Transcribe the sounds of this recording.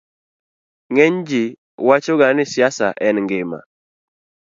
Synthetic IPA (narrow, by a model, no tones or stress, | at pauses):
ŋɛɲd͡ʒi | wat͡ʃoɡanɪsjasa̰ʔɛnŋɡɪma̰